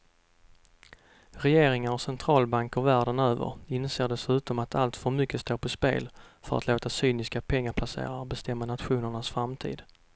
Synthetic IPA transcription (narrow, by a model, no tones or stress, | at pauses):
ɾɛjeːɾɪŋaɾɔsɛnt̪ʰɾɑːlbaŋkɔɾvæːɖənøːvə̰ɾɪnseːɖɛsʉ̟ːt̪ɔmat̪ʰalt̪fœɾmʏkːəst̪oːɾpʰɔspḛːlfœɾa̰t̪loːt̪asyːnɪskapʰɛŋːaɾpʰlasḛːɾaɔbɛst̪ɛmːanat̪ɧuːnəɳasfɾamt̪ʰḭːd̪